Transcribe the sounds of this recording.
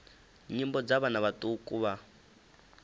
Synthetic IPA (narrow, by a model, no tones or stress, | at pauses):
ɲimbɔd͡zaβanaβatʼukʼuβa